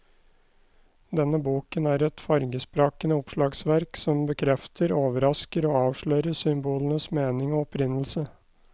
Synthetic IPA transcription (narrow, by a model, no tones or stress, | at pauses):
d̪ɛnəbuːkənæːɾɛt̪fɑɾɡəspɾɑːkənəʊpʂɭɑːɡsʋæɾksɔmbəkʰɾɛft̪ʰəɾoːʋəɾɑskəɾoːɑːʋʂɭœːɾəsʏmbuːlənəsmeːnɪŋoːɔpʰɾɪnl̩sə